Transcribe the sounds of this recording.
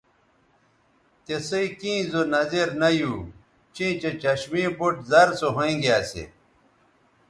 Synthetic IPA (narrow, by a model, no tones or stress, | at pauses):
t̪esɐikĩːzonɐzeɾnɐjuː | t͡ɕĩːt͡ɕet͡ɕɐɕmibuʈzɐɾsoɦõĩɡjaːsḛ